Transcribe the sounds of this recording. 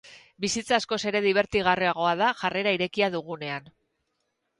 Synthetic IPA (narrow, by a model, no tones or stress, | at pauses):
bisit͡saːsko̞se̞ɾe̞ðiβ̞e̞ɾt̪iɣ̞ariaɣ̞o̞aðaʝare̞ɾaiɾe̞kiaðuɣune̞an